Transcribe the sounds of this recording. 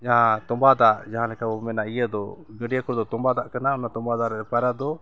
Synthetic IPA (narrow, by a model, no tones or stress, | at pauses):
d͡ʒaɦãt̪ɔmbad̪aɾd͡ʒaɦãlɛkabɔmɛnaijəd̪ɔɡəɖijakɔɾd̪ɔt̪ɔmbad̪aʔkanaɔnat̪ɔmbad̪aɾɛpaɾad̪ɔ